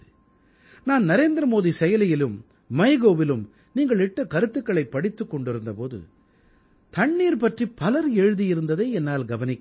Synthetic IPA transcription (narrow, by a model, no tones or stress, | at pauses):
naːnnɐɾeːnd̪ɾɐmoːðisɛjɐlɐjɪlɯmː | ɐɪɣoːʋɪlɯm | niːŋɡɐɭɪʈːɐkɐɾɯt̪ːɯkːɐɭɐɪpːɐɽɪt̪ːɯkːɔɳɖɪɾɯnd̪ɐpoːðɯ̰ | t̪ɐɳːiːɾpɐʈripːɐlɐɾeːɻɯðijɪɾɯnd̪ɐðeːɛnːaːlɡɐʋɐnɪkː